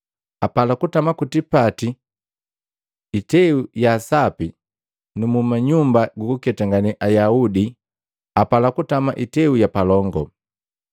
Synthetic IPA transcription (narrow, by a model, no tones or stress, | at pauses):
apalakutamakutipati | itɛujasapi | numumaɲumbaɡukukɛtaŋɡaniʔajaudi | apalakutama̰ʔitɛujapalɔŋɡɔ